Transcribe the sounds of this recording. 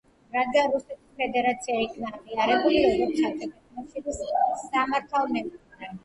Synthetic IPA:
ɾad̪̚ɡanɾust̪ɛt̪ʰi̥spʰɛd̪ɛɾat̪sʰiaikʰnaʁiaɾɛbuliɾɔɡɔt̪sʰat̪ʰɛk̪ʰɛt̪ʰnɔʃid̪isːamaɾt̪ʰalˠmɛk̪a

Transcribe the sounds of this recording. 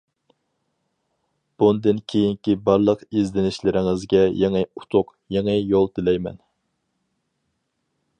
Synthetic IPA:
b̥und̪ɨnkʲʰejiŋkʲibɑɾlˠəqizd̪ɪnɪʃlɪɾɪŋɪzɡʲɛjeŋɨut̪ʰʊq | jeŋɨjolˠd̪ɪlɛjmɛ̰n

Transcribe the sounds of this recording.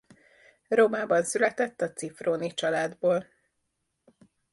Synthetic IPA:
roːmaːbɒnsylɛt̪ɛt̪ːɒt̪sifroːnit͡ʃɒlaːd̪boːl

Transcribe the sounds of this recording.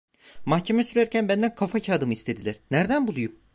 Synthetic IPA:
maxcʰemɛsyɾæɾcʰænbænd̪ænkʰafacʰaːd̪ɯmɯist̪ʰed̪ilʲæɾ̥næɾd̪ænbulˠujum

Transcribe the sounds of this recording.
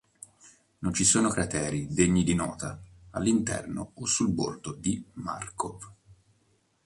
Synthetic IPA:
nont͡ʃisoːnokɾat̪ɛːɾid̪eɲːid̪inɔ̰ːt̪aalːint̪ɛ̰rno̰osulbo̰rd̪od̪ima̰rkov

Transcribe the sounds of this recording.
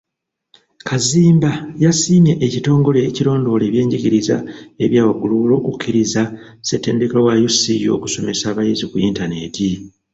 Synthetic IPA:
kʰaziːmbajasiːme̞ʔːcito̞ːŋɡo̞le̞ːciɾo̞ːndo̞ːle̞ːβje̞ːɲɟiɟiɾiza̰e̞βjaːwaɡuluβulo̞ːkucʰːiɾiza | se̞tːe̞ːndekelowajusijo̰ku̥so̞me̞saːβajizikuiːntane̞ti

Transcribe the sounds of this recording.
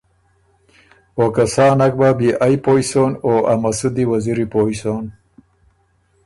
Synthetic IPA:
okasaːnak̚babiʔajpoisonoːʔamasud̪iwaziɾipoːisoːn

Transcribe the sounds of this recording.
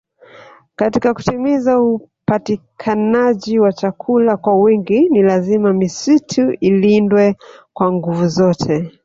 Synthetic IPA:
katikaku̥timizaupatikʰanaʄiwat͡ʃakʰulakwawiŋɡinilazimamisitʰuilindwɛkwaŋɡuvuzɔtʰɛ

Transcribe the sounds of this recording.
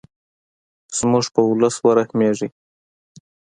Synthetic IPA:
z̥muʐpəʊləswaɾaxmeʐi

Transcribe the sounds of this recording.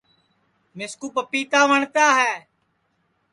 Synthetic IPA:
mɪskuːpəpiːt̪aːʋəɳt̪aːɦɛː

